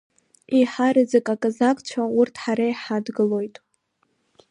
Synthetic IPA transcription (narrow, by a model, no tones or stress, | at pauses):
iħaɾɨd͡zɨkʼakʼazakʼt͡ɕʷʰaʊrtʰħaɾajħadɡɨlo̞jtʼ